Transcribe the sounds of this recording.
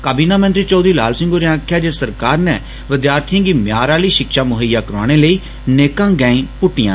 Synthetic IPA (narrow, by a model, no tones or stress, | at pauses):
kaːbiːnaːmə̃nt̪ɾiːt͡ʃɔːd̪ɾiːlaːlsɪ̃ŋɡoːɾeãːkʰːjaːd͡ʒeːsəɾkaːɾnɛː | ʋɪd̪jaːɾt̪ʰijãːɡiːmjaːɾaːləiːʃɪkʃaːmʊɦəjːaːkəɾa̰ːɽ̃eːləiː | neːkãːɡɛːĩːpʊʈːɪjã̰ː